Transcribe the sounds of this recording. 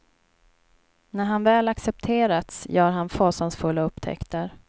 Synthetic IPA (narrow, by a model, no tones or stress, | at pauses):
næɾɦanvɛːlaksɛp̚t̪ʰeːɾat̪sjœːɾɦanfoːsansfɵlːaɵpːt̪ʰɛ̰kt̪ʰəɾ